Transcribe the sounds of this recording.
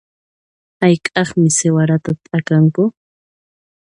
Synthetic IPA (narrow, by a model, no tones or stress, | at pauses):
ajkʼɑχmɪsewaɾat̪at̪ʼakaŋkʊ